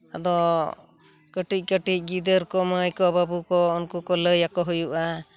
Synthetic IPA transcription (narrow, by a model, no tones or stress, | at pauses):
ad̪ɔ | kəʈic̚ˀkəʈic̚ˀɡid̪əɾkɔməjkɔbabukɔunkukɔləjakɔɦujuʔa